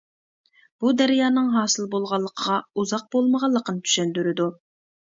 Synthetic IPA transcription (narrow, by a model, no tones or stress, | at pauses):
b̥ud̪æɾjɑːnɨŋɦɑːsɨlˠbolˠʁɑlˠːəqʰəʁɑuzɑq̚b̥olˠməʁɑlˠːəqənɨt̪ʰy̥ʃɛnd̪yɾɪd̪u